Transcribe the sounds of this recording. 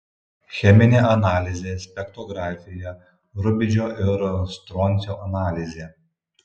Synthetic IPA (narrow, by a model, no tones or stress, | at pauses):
xʲɛmʲɪnʲeːʔɐnɑːlʲɪzʲeːsʲpʲɛkt̪ɔɡɾɑːfʲɪjɛ | ɾʊbʲɪd͡ʒʲoːʔɪɾst̪ɾɔːnʲˑsʲoːʔɐnɑːlʲɪzʲeː